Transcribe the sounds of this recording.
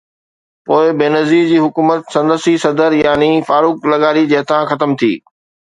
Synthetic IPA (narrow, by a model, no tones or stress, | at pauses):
poːɪbeːnɐziːd͡ʑiːɦʊkuːmət̪sɐ̃nd̪əsisɐd̪əɾjaːnifaːɾuːklɐɠaːɾid͡ʑɐɦt̪ʰãxɐt̪əmt̪ʰḭː